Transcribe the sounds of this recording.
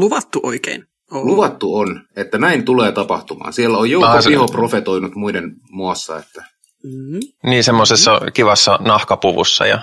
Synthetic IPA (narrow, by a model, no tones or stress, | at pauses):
luʋɑt̪ːuʔo̰ikḛːn | oluʋɑt̪ːuonet̪ːænæint̪uleːt̪ɑpɑ̰ht̪umɑ̰ːnsielːæojjoɑsihoprofet̪oinut̪muiden | muɑsːɑ̰ḛt̪ːæ | niːsemːosesːɑkiʋɑsːɑnɑhkɑpuʋṵsːɑ̰jɑ̰